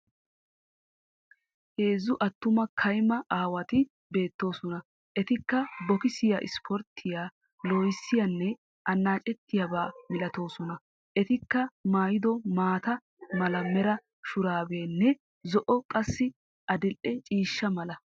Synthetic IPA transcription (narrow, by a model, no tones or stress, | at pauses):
he̞ːzːʊʔɐt̪ːʊmɐkʰɐjmɐʔaːwɐt̪ɪ | be̞ːt̪ːo̞ːsɔnɐ | ʔɛt̪ɪkːɐbɔkɪsɪja̰ːʔɪ̰spʰɔɾt̪ʰːɪjaː | loːjɪsːɪjɐnːɛ | ʔɐnːaːt͡ʃʼɛt̪ːɪjabaːmɪlɐt̪o̞ːsɔnɐ | ʔɛt̪ɪkːɐmaːjɪd̪ɔmaːt̪ɐ | mɐlɐmɛɾɐ | ʃʊɾaːbeːnːɛ | zɔʔɔkʼɐsːɪ | ʔɐd̪ɪlʔɛt͡ʃʼiːʃːɐmɐlɐ